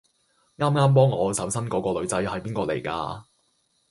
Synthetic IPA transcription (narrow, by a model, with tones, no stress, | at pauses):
ŋaː˥mŋaː˥mp̬ɔː˥ŋːɔː˨˧sɐ˨˥wsɐ˥nkɔː˨˥kɔː˧lɵ˨˧ɥt͡sɐ˨˧jhɐ˨jpiː˥nkɔː˧lḛ˨˩jka̰ː˧